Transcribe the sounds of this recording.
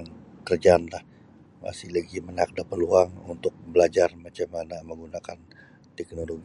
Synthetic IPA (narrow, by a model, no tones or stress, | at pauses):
ŋkərd͡ʒaːnlah | ma̰sɪhlaɡimənak̚dapəluaŋṵnt̪ʊk̚bəlad͡ʒarmat͡ʃamanaməŋɡunakan | t̪ɛk̚noloɡi